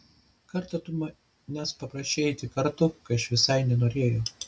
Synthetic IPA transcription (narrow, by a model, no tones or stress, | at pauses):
kɐɾt̪ɐt̪ʊmɐ | nʲɛspɐpɾɐʃʲt͡ʃʲeːt̪ʲɪkɐɾt̪ʊkɐɐʃʋʲɪsɐɪnʲɛnoːɾʲeːjoː